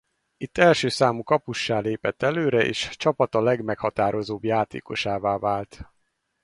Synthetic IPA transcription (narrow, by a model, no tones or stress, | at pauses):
it̪ːɛlʃøːsaːmukɒpuʃːaːleːpɛt̪ːɛløːɾɛʔḛːʃt͡ʃɒpɒt̪ɒlɛɡmɛkhɒt̪aːɾo̞zoːbjaːt̪ḛːko̞̰ʃaːvaːvaːlt̪